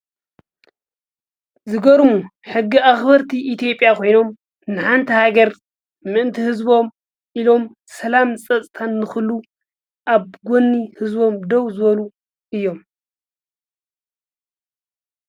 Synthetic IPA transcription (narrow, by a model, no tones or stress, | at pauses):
zɨɡɐɾumuħɨɡːiʔaxbɐɾt̪ʰiʔit̪jo̞pʼjakʰo̞jno̞m | nɨħant̪ʰihaɡɐɾ | mɨʔɨnt̪ʰihɨzbo̞m | ʔilo̞m | sɐlamsʼɐt͡sʼt̪ʰanːɨxɨlːu | ʔaβɡʷonːihɨzbo̞md̪ɐwzɨβɐlu | ʔɨjːo̞m